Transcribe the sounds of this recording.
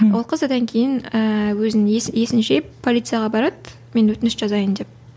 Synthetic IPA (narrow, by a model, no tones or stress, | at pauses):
wolˠqʰəzəd̪ɑŋkʲʰejɪnəwɵzɪnje̞sɪnʃepʰːolʲˠit̪sɨjɑʁɑbɑɾɑd̪ | me̞nwɵt̪ɪnɪsʒ̥ɑzɑjənd̪e̞p̚